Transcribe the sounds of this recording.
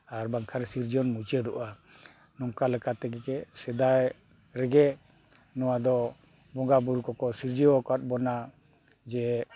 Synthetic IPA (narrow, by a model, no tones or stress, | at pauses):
aɾbaŋkʰaɾsiɾd͡ʒɔnmut͡ʃəd̪ɔʔa | nɔŋkaləkat̪ɛɡɛkɛsɛd̪aj | ɾɛɡɛ | nɔwad̪ɔ | bɔŋɡabuɾukɔkɔsiɾd͡ʒəɔkat̪̚ˀbɔna | d͡ʒɛ